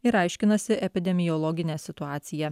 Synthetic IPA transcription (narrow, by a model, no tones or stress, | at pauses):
ɪɾɐɪʃʲkʲɪnɐsʲɪʔɛpʲɪd̪ʲɛmʲɪjɔlˠɔɡʲɪnʲɛːsʲɪt̪ʊɑːt̪sʲɪjæ